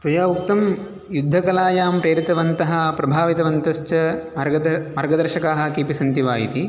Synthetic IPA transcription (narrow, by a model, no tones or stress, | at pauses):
t̪ɾujaːʋuk̚t̪ɐm | jud̪ʱːɐkɐlaːjaːmpɾeːɾit̪ɐʋɐnt̪ɐɦɐ̆pɾɐbʱaːʋit̪ɐʋɐnt̪ɐʃt͡ʃɐ | mɐɾɡɐd̪ɐɾʃɐkaːɦɐ̆kipisɐnt̪iʋaːjit̪i